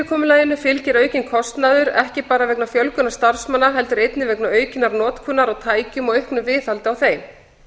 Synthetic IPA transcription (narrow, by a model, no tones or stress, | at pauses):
ɪkʰɔːmʏlaːjɪnːʏfɪlcɪɾœːɥcɪnkʰɔst̪naðʏɾɛ̰hcɪpaːɾavɛknafjœlkʏnaɾst̪aɾ̥smanːaɦɛl̪t̪ʏɾejt̪nɪvɛknaœːɥcɪnaɾnɔːt̪kʰʏnːaɾawt̪ʰaːjcʏmɔɣehknʏmvɪːθhalt̪ɪawθejm